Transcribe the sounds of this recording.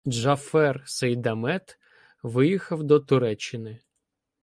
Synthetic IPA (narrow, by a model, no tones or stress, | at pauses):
ʒɐfɛrsɐjd̪ɐmɛt̪ | ʋɪjixɐwd̪ɔt̪ʊɾɛt͡ʃːɪnɪ